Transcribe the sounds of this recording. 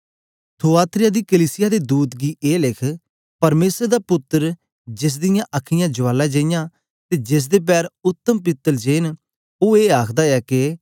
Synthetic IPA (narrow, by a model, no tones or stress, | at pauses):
t̪ʰoːaːt̪ʰɾɪjaːd̪iːkəliːsɪjaːd̪eːd̪uːt̪ɡiːʔeːlɪkʰ | pəɾmeːsəɾd̪aːpʊt̪ːəɾ | d͡ʒɪs̬d̪ɪjãːʔəkʰːɪjãːd͡ʒʊʋaːlaːd͡ʒə̃ɪjãː | t̪eːd͡ʒɪs̬d̪eːp̬ɛːɾʊt̪ːəmpɪt̪ːəld͡ʒeːn | oːeːaːkʰd̪aːɛːkɪ